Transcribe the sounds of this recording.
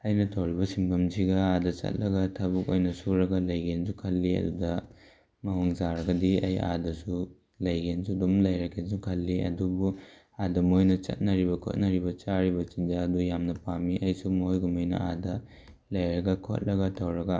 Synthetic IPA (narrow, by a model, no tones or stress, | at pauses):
ɐjnɐtʰɐwɾibɐsimbɐmsiɡɐadɐt͡ʃɐ̰t̚lɐɡɐtʰɐbukojnɐsuɾɐɡɐlɐjɡensukʰɐlːiɐ̰dudɐ | mɐɦoŋzaɾɐɡɐdiɐ̰ja̰dɐsu | lɐjɡensudumlɐjɾɐkʰes̬ukʰɐlːiɐ̰dubu | adɐmojnɐt͡ʃɐ̰t̚nɐɾibɐkʰo̰t̚nɐɾibɐt͡ʃaɾibɐt͡ʃind͡ʒaɐdujamnɐpamiʔɐjsumojɡumojnɐ̰adɐ | lɐjɾɐɡɐkʰo̰t̚lɐɡɐtʰɐwɾɐɡɐ